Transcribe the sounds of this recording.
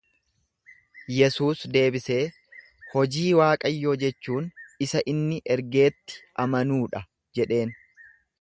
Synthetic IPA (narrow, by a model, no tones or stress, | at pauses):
jɛsuːsd̪e̞ːbɪse̞ː | hɔd͡ʒiːwaːkʼɐjːoːd͡ʒɛt͡ʃːuːnɪsɐʔɪnːɪʔɛɾɡe̞ːt̪ːɪ̥ʔɐmɐnuːᶑɐ | d͡ʒɛᶑe̞ːn